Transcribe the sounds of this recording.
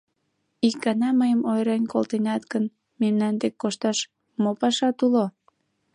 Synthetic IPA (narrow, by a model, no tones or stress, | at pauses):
ik̚ɡɑnɑməjəmojɾɑnʲkolt̪enɑt̪ɡən | memnɑnd̪ekːoʃt̪ɑʃ | mopɑʃɑt̪ulo